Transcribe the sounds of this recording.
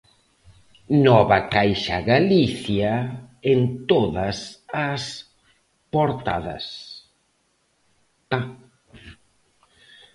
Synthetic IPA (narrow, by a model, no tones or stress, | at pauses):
nɔβɐkajʃaɣaliθjaent̪oðɐsas | poɾt̪a̰ðɐ̰s | t̪a